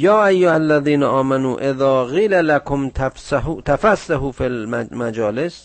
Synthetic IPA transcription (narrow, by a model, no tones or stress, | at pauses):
jɑːʔajːʊhalːaðiːnaʔɑːmanṵːʔeðɑːɣiːlalakʰomt̪ʰafsahuːt̪ʰafasːahuːfilmmad͡ʒɒːles